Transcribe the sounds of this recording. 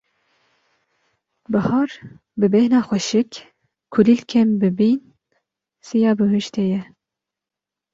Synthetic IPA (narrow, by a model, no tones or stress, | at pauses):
bɨhɑːɾ | bɨbɛhnɑːxʷɛʃɪk | kʰulilkʰɛmbɨbin | sijɑːbɨɦuʃt̪ʰejɛ